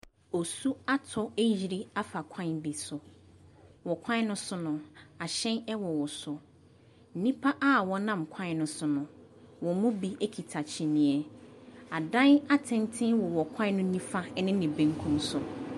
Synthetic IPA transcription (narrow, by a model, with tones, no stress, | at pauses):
o˨su˦a˦tʰɔ˦e˦ji˨ɾi˦a˦fa˨kʷʰã˦nbi˨sʊ˨ | wɔ˨kʷʰã˦n˦nʊ̃˦sʊ˦nʊ̃˨a˨ɕɛ̃˦nɛ˦wɔ˨wɔ˨sʊ˨ | n̩˦nĩ˦pʰa˦ʔa˦˨wɔ˦nã˦˨m˨kʰã˦n˦nʊ̃˦sʊ˦nʊ̃˨ | wɔ̃˨mʊ̃˦bi˦e˦kʰi˨tʰa˨t͡ɕʰĩ˨nĩ˨ɛ˨a˨dã˦na˦tʰɪ̃˦n˦tʰɪ̃˦nwɔ˨wɔ˨kʷʰã˦nʊ̃˦nĩ˦fa˦nɪ̃˦nɪ̃˨bẽ˨˦ŋ˦kʰũ˦msʊ˨